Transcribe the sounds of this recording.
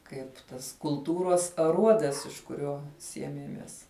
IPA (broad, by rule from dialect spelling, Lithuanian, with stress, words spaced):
ˈkɐɪp tɐs kʊlˠˈtuːroːs ɐˈruɔdɐs ɪʃ kʊˈrʲoː ˈsʲiɛmʲiɛmʲiɛs